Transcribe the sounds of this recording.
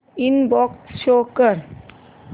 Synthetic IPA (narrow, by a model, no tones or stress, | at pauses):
inbɔksʃokəɾ